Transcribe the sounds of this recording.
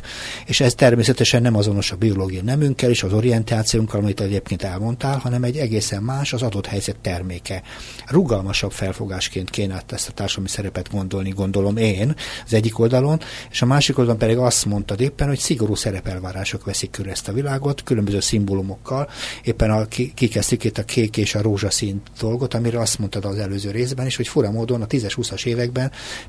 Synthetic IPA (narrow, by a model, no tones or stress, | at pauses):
eːʃɛst̪ɛrmeːsɛt̪ɛʃɛnːɛmɒzo̞no̞ʃɒbio̞loːɡijɒnɛmyŋkːɛleːʃɒzo̞ɾijɛnt̪aːt̪sijuŋkːɒlɒmit̪ɛɛɟeːp̚keːnt̪ɛlmo̞nt̪aːlhɒnɛmɛɟːɛɡeːsɛmːaːʃɒzɒd̪o̞t̪hɛjzɛt̪ːɛrmeːkɛ | ruɡɒlmɒʃɒbfɛlfo̞ɡaːʃkeːnt̪keːnat̪ːɛst̪ɒt̪aːrʃɒd̪lɒmisɛɾɛpɛd̪ɡo̞nd̪o̞lniɡo̞nd̪o̞lo̞meːnɒzɛɟːiko̞ld̪ɒlo̞neːʃɒmaːʃikold̪ɒlompɛd̪iɡɒst̪mo̞nt̪ɒd̪eːpːɛnho̞csiɡo̞ɾuːsɛɾɛpɛlvaːɾaːʃo̞kʋɛsikːøɾɛst̪ɒvilaːɡo̞t̪kylømbøzøːsimbolumo̞kːɒleːpːɛnɒkikikɛst̪ykit̪ːɒkʰeːkeːʃɒɾoːʒɒsint̪d̪̥o̞lɡot̪ɒmiɾɛɒst̪mo̞nt̪ɒd̪ɒzɛløːzøːɾeːzbɛniʃho̞cfuɾɒmoːd̪o̞nɒt̪izɛʃhusɒʃeːvɛɡbɛn